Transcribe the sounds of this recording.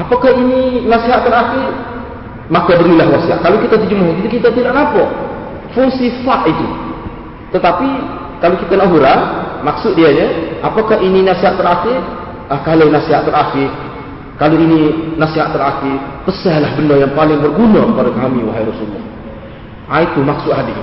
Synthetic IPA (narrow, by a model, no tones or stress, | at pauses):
ʔapakahininasiɦat̪t̪əɾaxɪr | makabəɾilahwasia̰ʔkalokit̪at̪id͡ʒumaɦɔkit̪ukit̪at̪idaʔnapɔʔ | fuŋsifaʔit̪u | t̪ət̪api | kalokit̪aənaʔɦuɾanmaksʊt̪̚diaɲaapakahininasiɦaʔt̪əɾaxɪr | ahkahlajnasiɦaʔt̪əɾaxɪ | kaloininasiɦaʔt̪ːəɾakipəsahlahbəndɔjaŋpalɪŋbərɡunakəpadakamiwaɦajɾɔsulːɔ̰h | ʔait̪umaksʊʔɦadi